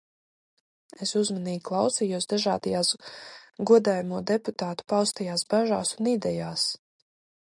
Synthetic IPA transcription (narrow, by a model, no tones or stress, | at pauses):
esuzmaniːɡʲiklˠawsijuɔsd̪aʒaːd̪ajaːsɡuɔd̪aːjamuɔd̪eput̪aːt̪u̥pawst̪ajaːsbaʒa̰ːsunid̪ɛjaːs